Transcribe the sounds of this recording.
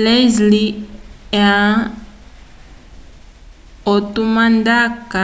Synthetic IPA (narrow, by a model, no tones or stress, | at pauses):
lɛzli | ã | otumandaka